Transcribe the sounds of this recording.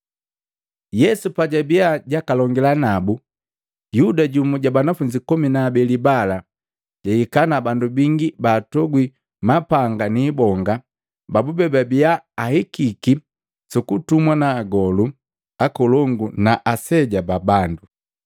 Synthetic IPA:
jɛsupaɟabiaɟakalɔŋɡilanabu | judaɟumuɟabanafuɲd͡ʒikɔminaːbɛlibala | ɟaikanabandubiŋɡibaːtɔɡwi | mapaŋɡaniːbɔŋɡa | babubɛbabiaːhikiki | sukutumwanaːɡɔlu | akɔlɔŋɡunaʔasɛɟababandu

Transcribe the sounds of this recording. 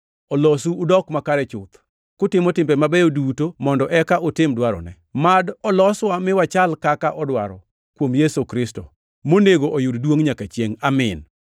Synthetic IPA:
ɔlɔsuːdɔkmakaɾɛt͡ʃʊt̪ | kʊtɪmɔtɪmbɛmabɛjodutomɔndɔʔɛkaʔotɪmdwaɾɔ̰nɛ | madɔlɔswamɪwat͡ʃalkakaʔɔdwaɾɔ̰ | kwomjesokɾɪsto̰ | moneɡoʔojʊddwoŋɲakat͡ʃjeŋamɪn

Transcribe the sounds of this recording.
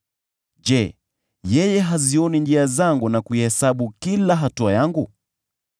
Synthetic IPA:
d͡ʒɛ | jɛjɛɦaziɔnind͡ʒiazaŋɡunakuihɛsaɓukilaɦatuajaŋɡu

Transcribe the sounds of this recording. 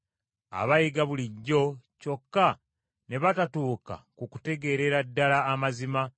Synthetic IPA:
a̰βajiɡaβuliɟːo̞co̞kːa | ne̞βatatuːka̰kuku̥te̞ɡe̞ɾe̞ɾadːalaːmazima

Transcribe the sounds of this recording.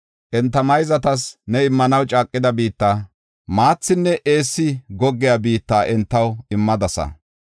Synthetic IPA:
ʔɛnt̪ːɐmɐjzɐt̪ɐsnɛɪmːɐnɐwt͡ʃʼaːkʼːɪd̪ɐbiːt̪ːaː | maːt͡sːɪnːɛʔeːsːɪɡɔɡːɪjabiːt̪ːaːʔɛnt̪ːɐwɪmːɐd̪ɐsɐ̰

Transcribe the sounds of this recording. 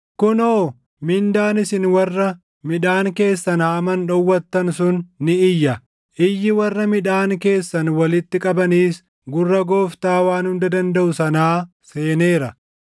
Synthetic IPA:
kʊnoː | mɪnd̪aːnɪsɪnwɐrːɐ | mɪᶑaːŋke̞ːsːɐnhɐmɐnᶑɔwːɐt̪ːɐnsʊnːɪɪjːɐ | ʔɪjːɪwɐrːɐmɪᶑaːŋke̞ːsːɐnwɐlɪt̪ːɪkʼɐbɐniːs | ɡʊrːɐɡoːft̪aːwaːnhʊnd̪ɐd̪ɐnd̪ɐʔʊsɐnaː | se̞ːne̞ːɾɐ

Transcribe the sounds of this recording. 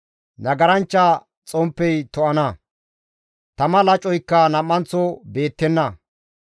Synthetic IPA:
nɐɡɐɾɐnt͡ʃːɐ | t͡sʼɔmpːɛjt̪ɔʔɐnɐ | t̪ɐmɐlɐt͡ʃʼːɔjkːɐnɐmːɐnt͡sːɔbe̞ːt̪ːɛnːɐ

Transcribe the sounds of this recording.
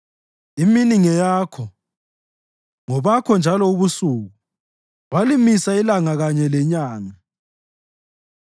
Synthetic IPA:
iminiŋɛjaːkʰɔ | ŋɔβakʰɔnd͡ʒʱalɔuβusuɣu | walimisailaŋaɣaɲɛlɛɲaːŋa

